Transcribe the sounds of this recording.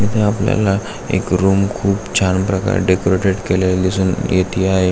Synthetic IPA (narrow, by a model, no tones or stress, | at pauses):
mit̪ʰeaplja̰la | ḛkɾuːmkʰuːpt͡ɕʰanpɾəka̰ɾɖekoɾeʈeʈkelellisuːnjet̪ʰiːaɦe